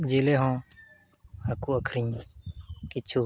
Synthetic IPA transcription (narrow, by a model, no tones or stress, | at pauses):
d͡ʒeːleːɦõː | hakuːəkʰɾiɲ | kɪt͡ʃʰuː